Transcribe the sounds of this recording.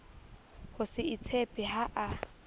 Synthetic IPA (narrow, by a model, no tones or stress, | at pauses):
hʊsɪit͡sʰepʼɪɦaʔa